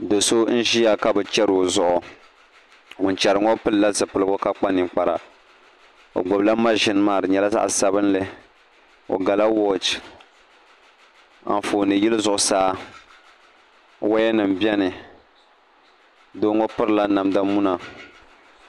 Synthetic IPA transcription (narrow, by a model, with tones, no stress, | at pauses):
do˨so˦n̩˦ʒi˦ja˦˨ka˦bɨ˨t͡ʃɛ˦ɾo˨zʊ˨ʔʊ˨ | ŋʊ˨n˨t͡ʃɛ˨ɾɨ˨ŋo˦pɨ˦lla˦zɨ˨pɨ˨lɨ˦ɡo˦ka˦k͡pa˦ni˨k͡pa˨ɾa̰˨ | o̰˨ɡ͡bo˨bla˦ma˦ʒɪ˨n˦maː˦˨ɾɨ˨ɲɛ˨la˦za̰˦ʔsa˨bɨ˦nlɨ˦ | o̰˨ɡa˨la˦wo˦d͡ʒ | a̰˨m˨foː˨nɨ˨ji˦lɨ˦zʊ˨ʔʊ˨saː˦ | wa˦jɛ˦nɨ˨m̩˨bjɛ˦nɨ˨ | do˦ŋo˦pɨ˦ɾla˦na˨mda˦mu˦na˨